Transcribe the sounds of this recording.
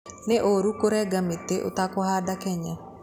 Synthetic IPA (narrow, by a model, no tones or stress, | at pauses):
neʔoɾukoɾɛɡamit̪ːeʔo̰t̪akɔhadakɛɲɛ